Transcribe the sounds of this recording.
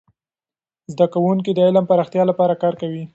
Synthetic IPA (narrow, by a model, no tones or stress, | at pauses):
zd̪akawuŋk̬id̪əɪlampaɾɑxt̪jɑlapɑɾakɑɾkawi